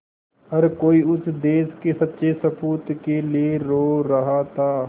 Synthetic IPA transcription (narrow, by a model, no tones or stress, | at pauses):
ɦɐɾkoːiʊsd̪eːskesɐtːʃʰesɐpʰuːt̪kelieɾoːɾɐɦat̪ʰaː